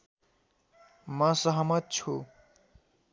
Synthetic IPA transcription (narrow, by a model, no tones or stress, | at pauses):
mʌsʌɦmʌt̪̚t͡sʰu